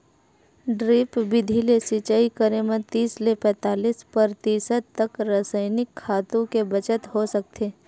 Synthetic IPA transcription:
ɖɾiːpbɪd̪ʱilesit͡ʃaːikəɾẽmẽt̪iːslepɛ̃ːt̪aːliːspɐɾt̪iːsət̪ːɐkɾəsəɪnɪkʰːaːt̪õkebɐt͡ʃət̪ɦosɐk̚t̪ʰeː

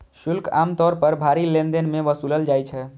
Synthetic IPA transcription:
ʃulka̰mt̪ɔɾpəɾbʱaɾilẽnd̪enmeʋəsuləld͡ʒajt͡ʃʰɛ

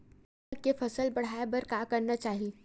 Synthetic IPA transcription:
kefɐsəlbɐɽ̤aːebɐɾkakɐɾnat͡ʃaːɦie

